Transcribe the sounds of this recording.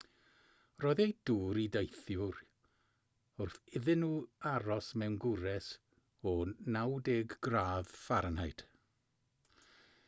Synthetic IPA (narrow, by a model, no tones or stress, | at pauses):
rɔːðejd̥uːɾidejθjʊɾ | ʊrθɪðɨnuːaɾɔsmɛwnɡʊɾɛs | ɔnawdɛɡɡraːðfarnhajɨd̥